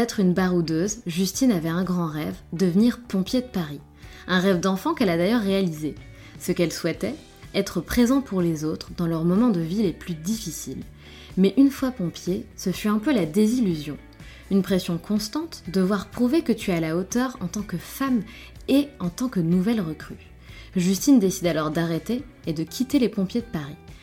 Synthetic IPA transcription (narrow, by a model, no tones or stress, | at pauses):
ɛt̪χynbaʁud̪øzʒyst̪inavɛɛ̃ɡʁɑ̃ʁɛvd̪əvəniʁpɔ̃pjed̪əpaʁi | ɛ̃ʁɛvd̪ɑ̃fɑ̃kɛlad̪ajœʁːealize | səkɛlswɛt̪ɛ | ɛt̪χəpχezɑ̃pʰuʁlezot̪χd̪ɑ̃lœʁmɔmɑ̃d̪əvileplyd̪ifisil | mɛʔynfwapɔ̃pjesəfyɛ̃pølad̪ezilyzjɔ̰̃ | ynpχesjɔ̃kʰɔ̃st̪ɑ̃t̪d̪əvwaʁpχuvekət̪yaːlaot̪œʁɑ̃t̪ɑ̃kəfam | eɑ̃t̪ɑ̃kənuvɛlʁəkχy | ʒyst̪ind̪esid̪alɔʁd̪aʁet̪eːd̪əkʲʰit̪elepɔ̃pjed̪əpaʁi